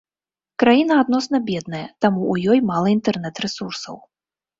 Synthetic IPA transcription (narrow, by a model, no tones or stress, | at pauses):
kɾajinɐad̪nɔsnɐbʲɛd̪nɐjɐt̪amuujɔjmalˠɐint̪ɛrn̪ɛt̪ɾɛsursɐ̰w